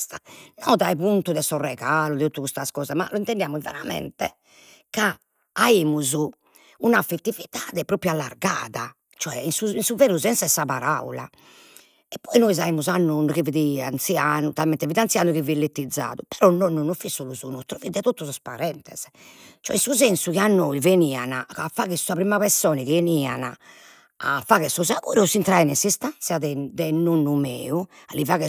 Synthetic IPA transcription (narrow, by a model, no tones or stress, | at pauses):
sanɔːðaɛpunt̪uðɛsɔrɛɣaːlud̪ɛt̪ut̪ːukust̪askɔːzama̰lɔint̪ɛnd̪jaːmuvɛ̰ɾamɛ̰nt̪ɛ | ka | aimuzu | unafːet̪ːivit̪aːðɛpɾoːpɾjualːaɾɡaːða | t͡ʃɔɛinsuinsuveːnuzɛnsɛsːapaɾa̰ula | ɛpːɔinoiz̬aiːmuzanːunukiviðia̰nt̪siaːnut̪almɛnt̪ɛvid̪iant̪sjaːnuɣivilːet̪ːid̪zːa̰ːðupɛɾɔnːɔnːunːufisːoluzunut̪ɾovid̪ɛt̪ot̪ːɔsɔspaɾɛnt̪ɛz̥ | t͡ʃɔɛ̰insuzɛnsukianːoiveniːa̰naafaɣɛsuapɾimaβɛsɔːniɣenia̰na̰ | a̰faɣɛsɔzaɣuːɾsint̪ɾaɛnɛsist̪asiaðɛd̪ɛnonːumḛːualivaːɣɛ